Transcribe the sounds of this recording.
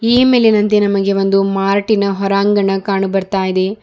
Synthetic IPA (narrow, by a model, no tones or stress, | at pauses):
iːme̞ːlenɐnt̪̬enɐmɐɡe̞ʋo̞nd̪umaːɾʈinɐɦɔɾaːŋɡɐɳɐkaːɳubɐɾt̪aːjid̪e̞